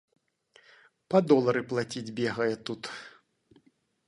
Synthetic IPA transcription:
pɐd̪ɔlˠɐɾɨplˠat͡sʲid͡zʲbʲɛɣɐjɛt̪ut̪

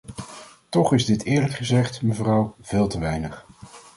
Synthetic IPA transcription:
tɔχɪzdɪtɪːɹləkχəzɛχtməvrʌwv̥ɪːlˠtəʋɛjnəχ

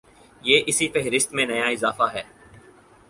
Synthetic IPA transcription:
jeːʔɪsifɛɦɾɪst̪mẽnɐjaɪzaːfaɦɛː

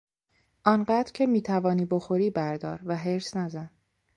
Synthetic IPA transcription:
ʔɒːnɢæːd̪ɾcʰe̞miːt̪ʰævɒːniːboxo̞ɾiːbæɾd̪ɒːɾvæɦe̞ɾsnæzæn

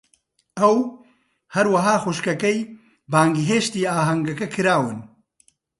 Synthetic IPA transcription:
ɐw | hɐɾwɐɦaːxuʃkɐkɐj | baːŋɡiɦeːʃt̪iːaːɦɐŋɡɐkɐkʰɨɾaːwɨn

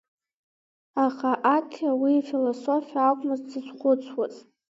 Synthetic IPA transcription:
aχaʔatʰawifiloso̞fiaːkʷʼmɨzd͡zɨt͡sʷχʷʊt͡sʰwazʼ

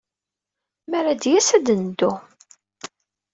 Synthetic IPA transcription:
mæɾæd̪jæsæd̪ənd̪u

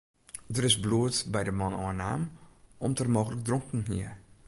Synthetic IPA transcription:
dərɪsbluətbɛjdəmɔnɔːəna̰ːmɔmtərmoːɣələk̚drɔŋkn̩ɦḭər

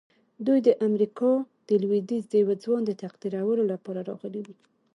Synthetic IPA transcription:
d̪ujd̪əʔamɾikɑd̪̥əlwid̪izd̪əjawad͡zwɑnd̪ət̪aqd̪iɾawəlolapɑɾaɾɑ̰ɣəliwi

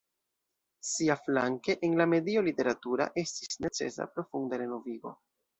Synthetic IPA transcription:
siafla̰ŋke̞ʔenlame̞dio̞lite̞ɾatuɾa̰ʔe̞stisne̞t͡se̞̰sa̰pɾo̞fundaɾe̞no̞viɡo̞

